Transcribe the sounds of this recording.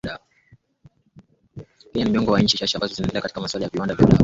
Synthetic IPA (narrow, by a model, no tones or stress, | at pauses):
ɗa | pianimiɔŋɡɔwaɲ̩t͡ʃiʃaʃiambazɔzinaɛndɛlɛakatikamaswalajaviwandavja̰uɗa̰